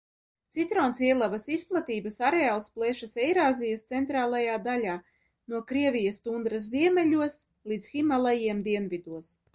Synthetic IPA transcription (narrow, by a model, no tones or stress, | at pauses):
t̪sit̪ɾoːnsiɛlˠavasisplˠat̪iːbɐsaɾeaːlˠsplˠɛʃasɛjɾaːzijast̪sɛnt̪ɾaːlˠajaːd̪alʲaː | nuɔkɾiɛvʲijast̪und̪ɾasziɛmɛlʲuɔs | lˠiːd̪zximalˠajiɛmd̪iɛnvid̪uɔs